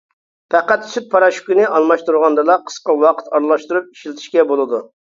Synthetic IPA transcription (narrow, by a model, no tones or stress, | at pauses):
pɛqæt̪syt̪̚pʰɑɾɑʃkʲynɪʔɑlˠmɑʃt̪uɾʁɑnd̪ɨlˠɑqʰə̥sqɑwɑqʰə̥t̪ɑɾlˠɑʃt̪uɾup̚i̥ʃlɪt̪ʰɪ̥ʃkʲɛbolˠɨd̪u